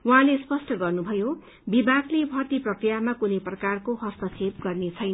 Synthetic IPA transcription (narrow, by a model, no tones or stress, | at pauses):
wuɦãlespʌsʈʌɡʌrnubʱʌjo | bibaɡlebʱʌrt̪iprʌkrijamakunejprʌkarkoɦʌst̪ʌt͡sʰeb̚ɡʌrnet͡sʰʌjnʌ